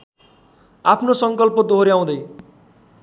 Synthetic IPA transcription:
apʰnosʌŋkʌlpod̪oɦɾiaw̃d̪ʌj

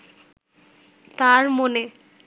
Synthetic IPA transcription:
t̪aɾmone

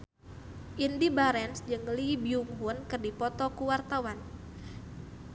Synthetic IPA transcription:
ʔindibaɾɛnsd͡ʒɨŋlibiuŋɦunkɨrdipɔt̪ɔkuwart̪awan

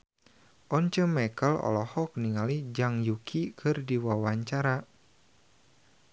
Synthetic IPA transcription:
ʔɔɲt͡ʃəmakəlɔ̰lɔhɔk̚niŋalid͡ʒaŋjukʰikʰɨrdiwawaɲt͡ʃaɾa

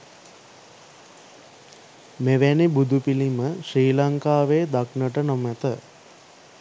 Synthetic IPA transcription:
meʋænibud̪upiliməʃriːlaŋkaːʋeːd̪aknəʈənomæt̪ə

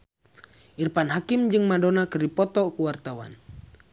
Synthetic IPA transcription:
irpanɦakimd͡ʒɨŋmadɔnakəripɔt̪ɔkuwart̪awa̰n

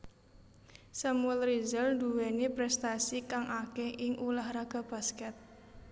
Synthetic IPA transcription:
samuɛlrizəld̪uwɛnipɾɛst̪asikaŋʔakeʔɪŋʔulahɾaɡ̥a̤b̥a̤skɛt̪̚

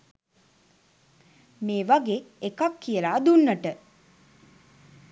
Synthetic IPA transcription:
meːʋaɡeːekakːijəlaːd̪unːəʈə

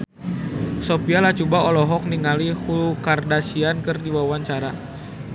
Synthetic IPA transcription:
sopialaht͡ʃubaolɔɦɔk̚niŋalihulukardasiankɨrdiwawaɲt͡ʃaɾa

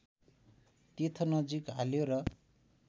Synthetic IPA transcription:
t̪et̪ʰʌnʌd͡zikɦaljoɾʌ

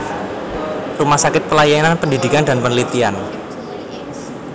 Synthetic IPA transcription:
rumahsakɪt̪̚pəlajananpəndidikanda̤npənəlit̪ian

